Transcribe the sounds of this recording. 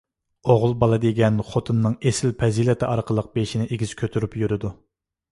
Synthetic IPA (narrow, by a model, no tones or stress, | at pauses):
oʁʊlˠbɑlˠɑd̪eɡʲɛnχot̪ʰɨnːɨŋesɪlpʰɛzilɛt̪ʰɪʔɑɾqʰəlˠəq̚beʃinɪʔeɡʲiz̥kʲʰøt̪ʰyɾypjyɾɪd̪u